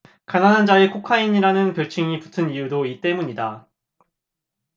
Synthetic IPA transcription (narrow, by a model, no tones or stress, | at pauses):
kananand͡ʑaekʰokʰaiɲiɾanɯnpjʌɭt͡ɕʰiŋipu̥tʰɯnijudoit͈e̞muɲida